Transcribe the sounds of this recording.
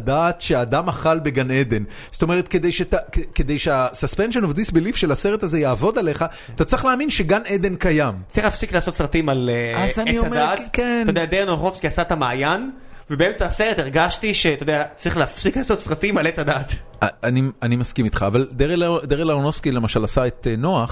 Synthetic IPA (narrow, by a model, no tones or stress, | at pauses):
d̪aːt̪ʃeaːd̪amaχalbe̞ɡaned̪e̞n | soto̞me̞ʁ̞et̪ked̪ejʃet̪akeked̪ejʃeasaspenʃonovd̪isbelifʃelaseʁet̪aze̞jaːvo̞d̪ale̞χa | t̪at͡sʁiχlaːminʃe̞ɡaned̪e̞nkajamt͡slʁiχlafsiklaːso̞t̪sʁat̪imalazanioamedatkentodead̪enoaχofskiasat̪amaːjan | vebeemt͡saːseʁetiʁɡaʃtiʃet̪od̪eat͡sʁiχleafsiklaːso̞t̪sʁat̪imalet͡sad̪aːt̪ | aanianimaskimit̪χaːvald̪eʁed̪eʁelaonoskilemaʃalasaet̪eno̞aχ